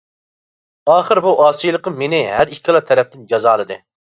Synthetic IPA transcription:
ɑːχəɾbuʔɑːsijlˠəqəmːenɪɦæɾikʲʰːilˠɑt̪ʰɛɾɛp̚t̪ɪnd͡ʒɑzɑːlˠɨd̪ɨ

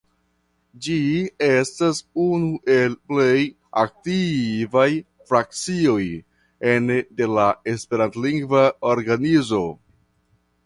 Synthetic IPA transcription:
d͡ʒie̞stasunuʔe̞lple̞j | ak̚tivaj | fɾak̚t͡sio̞j | ende̞lae̞spe̞ɾantliŋɡvaoɾɡanizo̞

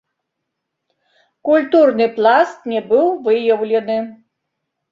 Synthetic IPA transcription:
kulʲt̪urnɨplˠast̪nʲɛbɨwvɨjɐwlʲɛnɨ

